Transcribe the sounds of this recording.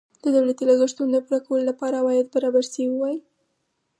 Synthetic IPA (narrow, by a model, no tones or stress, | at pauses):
d̪̥əd̪awlat̪ilaɣəʃt̪und̪əpuɾakawəlolapɑɾawɑjad̪̚baɾɑbaɾsewiwaji